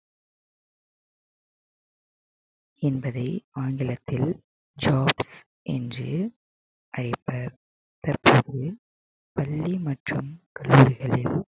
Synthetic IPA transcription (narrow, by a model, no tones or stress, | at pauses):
ɛnbɐðɐɪaːŋɡɪlɐt̪ːɪl | d͡ʒaːbs | ʔɛ̰ndrɯ | ʔɐɻɐɪpːɐɾ | t̪ɐrpoːðɯ | pɐɭːimɐʈrɯmkɐlːuːɾɪɣɐɭɪl